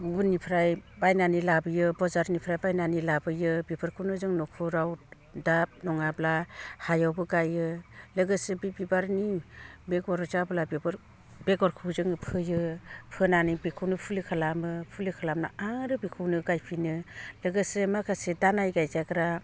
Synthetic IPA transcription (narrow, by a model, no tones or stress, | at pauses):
bunipʰɾajbajnanilabɯjɯbɔzaɾnipʰɾajbajnanilabɯjɯbipʰɯɾkʰuwnɯzɯŋnɔkʰuɾaw | dap̚nɔŋablahajawbɯɡajɯlɯɡɯsebibibaɾnibeɡɔɾɔzabɯlabibɾ | b̥eɡɔɾkʰuzɯŋɯpʰɯjɯpʰɯnanibikʰuwnɯpʰulikʰalamɯpʰulɯkʰalamnaaŋɾɯbikʰɯwnɯɡajpʰinɯlɯɡɯsemakʰasedanajɡajzaɡɾa